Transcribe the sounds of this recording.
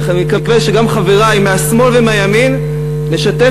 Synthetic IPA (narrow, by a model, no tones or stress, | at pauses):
χanimikakveʃeɡamχave̞ʁaimeasmo̞lvemeajamin | le̞ʃate